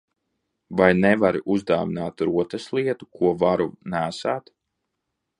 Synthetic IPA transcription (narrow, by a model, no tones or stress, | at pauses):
vajnɛvaɾʔuzd̪aːvinaːt̪ɾuɔt̪ɐslˠiɛt̪ukuɔvaɾunæːsaːt̪